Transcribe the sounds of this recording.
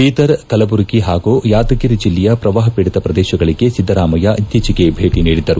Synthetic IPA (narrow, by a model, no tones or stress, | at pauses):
piːt̪ɐɾkɐlɐbuɾkiɦaːɡujaːt̪ɐkiɾid͡ʒilːɛjɐpɾɐʋaːɦɐpiːɽit̪ɐpɾɐd̪ɛːʃɐɡɐɭiɡe̞sid̪ʱːɐɾaːmɐjɐʔit̪ːiːt͡ʃiɡe̞bʱeːʈiniːɽid̪ɐɾu